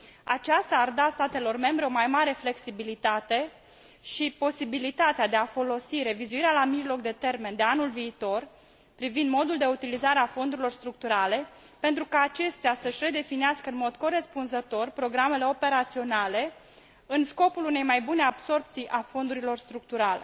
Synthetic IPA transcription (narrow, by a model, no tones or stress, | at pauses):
a̰t͡ʃast̪aːrd̪ast̪at̪e̞lo̞rme̞mbɾe̞o̞majmaɾe̞fle̞ksibilit̪at̪e̞ | ʃipo̞sibilit̪at̪ead̪e̞afo̞lo̞siɾe̞vizuiɾealamiʒlo̞k̚d̪e̞t̪e̞rme̞nd̪eanulviːt̪o̞r | pɾivind̪mo̞d̪uld̪e̞ut̪ilizaɾeafo̞nd̪uɾilo̞rst̪ɾuk̚t̪uɾale̞ | pe̞nt̪ɾukaːt͡ʃe̞st̪easəʃʲre̞d̪e̞finiaskəɨnmo̞d̪ko̞ɾe̞spunzət̪o̞rpɾo̞ɡɾame̞le̞o̞pe̞ɾat̪sio̞nale̞ | ɨnsko̞pulune̞jmajbune̞abso̞rpt̪sijʔafo̞nd̪uɾilo̞rst̪ɾuk̚t̪uɾale̞